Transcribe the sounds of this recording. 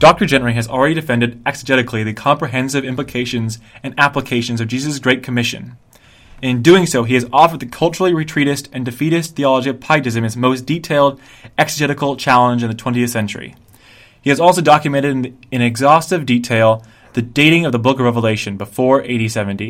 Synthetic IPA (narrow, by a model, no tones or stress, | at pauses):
d̥ɑk̚tə˞d͡ʒɛ̃nɹĩɨzl̩ˠɹɛɾidɨfɛ̃ndɨɾɛksɨd͡ʒɛɾɨkʰliðɨkʰɑ̃mpɹiɦɛ̃nsɨvɪ̃mpləkʰeɪʃɨ̃nzɨ̃næpləkʰeɪʃɨ̃n̩zʌvd͡ʒizɨsɡɹeɪt̚kʰɨmɪʃɨ̰̃n | ɨ̃nɨ̃ndʉɪ̃ŋsoʊiɨzɔfə˞d̪̚ðɨkʰʌlˠt͡ʃə˞l̩ˠiɹɨtʰɹ̥iɾɨstɨ̃ndɨfiɾɨst̪θiɑlˠəd͡ʒiʌv̥pʰaɪɾɨzɨ̃mɨzmoʊsd̥itʰeɪlˠd | ɛksɨd͡ʒɛɾɨkl̩ˠt͡ʃʰælˠə̃nd͡ʒɨ̃nðɨtʰɛ̃ntiɨθsɛ̃nt͡ʃə̰˞ḭ | hiɨzɔlˠsoʊdɑkjɨmɛ̃ɾ̃ɨɾn | ɨ̃ñɨɡzɔstɨvditʰeɪlˠ | ðɨdeɪɾɪ̃ŋʌvðəbʊkɹɛvəleɪʃɨ̃nbəfɔɹʔeɪɾisɛvɨ̃n̩ti